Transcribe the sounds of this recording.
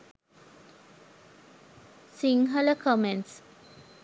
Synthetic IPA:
siŋɦələkʰomenʈs

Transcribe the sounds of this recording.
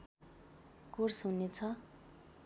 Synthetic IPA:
kursɦunet͡sʰʌ

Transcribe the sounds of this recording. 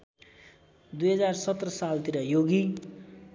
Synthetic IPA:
d̪ujɦʌd͡zarsʌt̪rʌsalt̪iɾʌjoɡi

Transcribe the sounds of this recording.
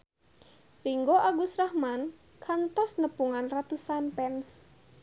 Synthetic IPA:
riŋɡoʔaɡusrahman | kʰant̪ɔsnəpuŋanrat̪usanpɛns

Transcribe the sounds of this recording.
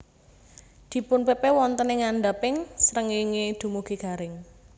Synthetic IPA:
d̪̥i̤pʊnpepewɔnt̪əneŋaɳɖapɪŋsɾəŋiŋed̪̥ṳmuɡ̥e̤ɡ̥a̤ɾɪŋ

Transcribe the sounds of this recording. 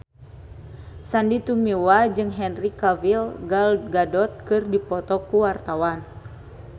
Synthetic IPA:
sandit̪umiwad͡ʒɨŋɦɛnrikavilɡalɡadɔt̪̚kɨrdipɔt̪ɔkuwart̪awan

